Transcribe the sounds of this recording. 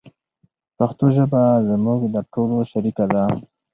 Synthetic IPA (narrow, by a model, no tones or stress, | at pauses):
paxt̪oʒəbazmuɡd̪əʈoloʃaɾikad̪a